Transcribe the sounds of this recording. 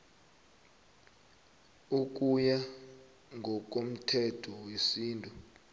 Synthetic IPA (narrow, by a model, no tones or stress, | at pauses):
uk̬uja | ŋʱɔk̬ʼom̩tʰɛtʰɔwesiːntʼu